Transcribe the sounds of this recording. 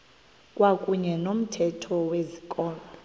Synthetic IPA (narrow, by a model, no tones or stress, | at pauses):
kʼwakʼuɲɛnom̩tʰɛtʰɔwezikʼɔːmɔ